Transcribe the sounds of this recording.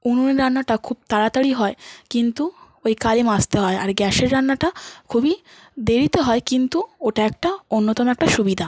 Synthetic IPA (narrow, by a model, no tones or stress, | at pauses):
ununeɾanːaʈakʰub̚t̪aɽat̪aɽiɦɔekint̪u | ojkalimast̪eɦɔeʔaɾɡɛʃeɾːanːaʈakʰubi | d̪eɾit̪eɦɔekint̪uoʈaɛk̚ʈaonːot̪ɔmoɛk̚ʈaʃubid̪ʱa